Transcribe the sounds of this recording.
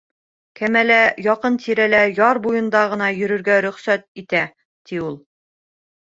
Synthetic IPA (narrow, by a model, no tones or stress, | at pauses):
kæmælæjɒqɤnt̪iɾælæjɑɾbujɤ̆nd̪ɑʁɤ̆nɑjɵ̆ɾɵ̆ɾɡæɾɵ̆χsæt̪̚it̪æ | t̪iulˠ